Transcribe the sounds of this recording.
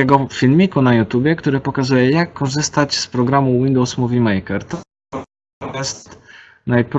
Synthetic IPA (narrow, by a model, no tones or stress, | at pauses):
ɛɡɔfʲilmʲikunajut̪ʲjubʲjɛkt̪uɾɘpɔkazujɛjakːɔʐɘst̪ad͡ʑspɾɔɡɾamuwind̪ɔwsmuvʲimɛjkɛɾt̪ɔ | ɔ | ɔmast̪ | najpɾ